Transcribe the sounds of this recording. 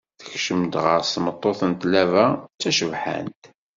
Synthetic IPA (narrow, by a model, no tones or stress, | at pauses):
θəçʃəmd̪ʁə̰ɾst̪mət̪ˤːoθənt̪lævæt͡sːæʃəvħa̰nt̪